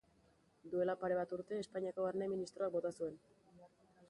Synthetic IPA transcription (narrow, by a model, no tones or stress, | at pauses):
d̪ue̞lapaɾe̞β̞at̪uɾt̪e̞ːspaɲiako̞aɾneminist̪ɾo̞ak̚bo̞t̪asue̞n